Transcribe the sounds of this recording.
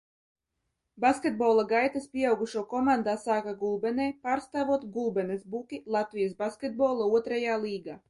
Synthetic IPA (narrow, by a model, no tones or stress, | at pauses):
baskʲet̪̚bɔːlˠaɡajt̪aspʲiɛawɡuʃuɔkɔmand̪aːsaːkaɡulˠbɛnɛjpaːɾst̪aːvuɔt̪ɡulˠbɛnɛsbukʲilˠat̪vʲijasbaskʲet̪̚bɔlˠauɔt̪ɾajaːlˠiːɡaː